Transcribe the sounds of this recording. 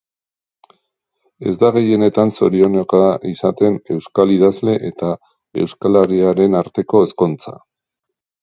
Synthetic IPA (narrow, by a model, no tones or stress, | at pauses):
e̞zd̪aɣ̞e̞je̞ne̞t̪anso̞ɾionokaaʔisat̪e̞ne̞wskaliðazle̞ʔe̞t̪a | e̞̰wskalaɾiaɾe̞naɾt̪e̞ko̞esko̞nt͡sa̰